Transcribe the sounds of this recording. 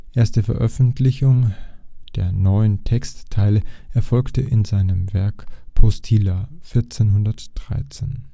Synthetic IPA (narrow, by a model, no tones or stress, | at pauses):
ʔeːɐstəfɛɐʔœfn̩tʰlɪçʊŋd̥eːɐnɔʏəntʰɛkstʰːaɪləʔɛɐfɔlktəʔɪnzaɪnəmvɛɐkpʰɔstʰilafɪɐt͡seːnhʊndɐtd̥ʁa̰ɪt͡sḛːn